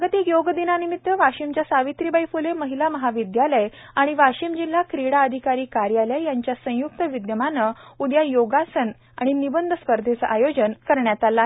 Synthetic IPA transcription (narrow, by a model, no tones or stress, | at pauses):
ɡət̪ikjoɡd̪inanimit̪ːəʋaɕimt͡ɕjasaʋit̪ɾibəjfuleməɦilaməɦaʋid̪jaləj | aɽ̃iʋaɕimd͡ʑil̤ːakɾiɽaəd̪ʱikaɾiːkaɾjaləjjaɲt͡ɕjasə̃juk̚t̪əʋid̪jəmanəud̪jajoɡasən | a̰ɽ̃inibənd̪ʱəspəɾd̪ʱet͡səʔajod͡ʑənkəɾɳjat̪ala